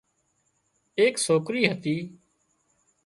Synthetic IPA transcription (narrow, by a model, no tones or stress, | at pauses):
eːksoːkɾiːɦət̪iː